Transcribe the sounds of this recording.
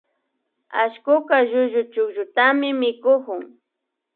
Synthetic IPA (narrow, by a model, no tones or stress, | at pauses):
aʃkʊkaʒʊʒʊt͡ʃʊkʒʊt̪amɪmɪkʊkʊŋ